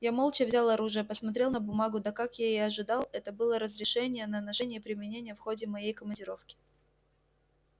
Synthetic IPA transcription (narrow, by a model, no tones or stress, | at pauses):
jamo̞lˠt͡ɕəvzʲalˠɐɾuʐɨjəpəsmɐt̪ɾʲe̞lˠnəbʊmaɡʊd̪əkakjaɐʐɨd̪ɑlˠɛt̪əbɨlˠəɾəzɾʲɪʂɛnʲɪjənənɐʂɛnʲɪjəpɾʲɪmʲɪnʲenʲɪjəfxodʲɪmɐjejkəmənʲdʲɪɾo̞fkʲɪ̥